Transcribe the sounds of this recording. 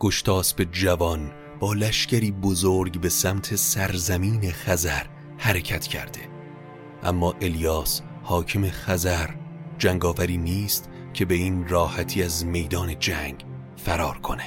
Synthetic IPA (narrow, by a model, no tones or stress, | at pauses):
ɡ̥o̞ʃt̪ʰɒːsbe̞d͡ʒævɒn | b̥ɒːlæʃcæɾiːbozoɾɡbe̞sæmt̪ʰe̞sæɾzæmiːne̞xæzæɾ | hæɾe̞cʰæt̪ʰcʰæ̰ɾd̪e̞ | ʔæ̰mːɒːʔe̞ljɒːs | hɒːcʰeme̞xæzæɾd͡ʒæŋɡɒːvæɾiːniːst̪ | cʰe̞be̞iːnrɒːhæt̪ʰiːæzme̞jd̪ɒːne̞d͡ʒæŋɡ | fæɾɒːɾkʰo̞ne̥